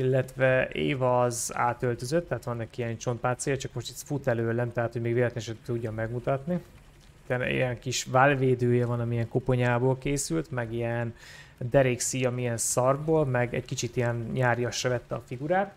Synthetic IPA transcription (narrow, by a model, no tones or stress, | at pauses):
ilːɛt̪vɛḛːvɒza̰ːt̪ølt̪ø̞zøt̪ːɛɦat̪ʋɒnːɛkiiɛnt͡ʃo̞nt̪̚paːt̪sijɒt͡ʃɒkmoʃt̪ɛsfut̪ɛløːlːɛmt̪ɛɦaːt̪homeːɡveːlɛt̪ɛnɛʃɛt̪ːuɟːɒmɛɡmut̪ɒt̪ni | it̪ɛnḭjɛŋkiʃvaːlveːd̪øːjɛvɒnɒmiɛŋkopo̞ɲaːboːlkeːsylt̪mɛɡiɛnd̪ɛɾiksiɒmiɛnsɒrɡboːlmɛɡɛ̰ɟkit͡ʃit̪ijɛnɲaːɾjɒʃːɛvɛt̪ːɛɒfiɡuɾaːt̪